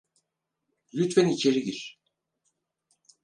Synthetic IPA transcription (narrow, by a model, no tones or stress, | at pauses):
lʲyt̪fænit͡ʃʰeɾiɟiɾ̥